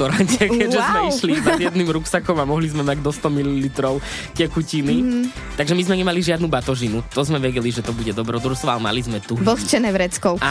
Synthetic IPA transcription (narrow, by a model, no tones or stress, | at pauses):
ɔɾaɲtɛkɛʒɛzmɛiʃlinad̪jɛd̪nimɾuksakɔmamɔɦlizmɛmaɟd̪ɔst̪ɔmililit̪ɾɔʊ | cɛkucini | t̪aɡʒɛmizmɛɲɛmaliʒɪad̪nubat̪ɔʒinut̪ɔzmɛʋɛɟɛliʒɛt̪ɔbuɟɛd̪ɔbɾɔd̪uɾst̪ʋɔalɛma̰lizmɛt̪uɔst͡ʃɛnɛʋɾɛt͡skɔʊa